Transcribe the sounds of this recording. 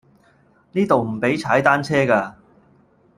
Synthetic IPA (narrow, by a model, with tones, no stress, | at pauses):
niː˥t̪o˨wm̩˨˩pe˨˥jt͡sʰaː˨˥jt̪aː˥nt͡sʰɛː˥kaː˧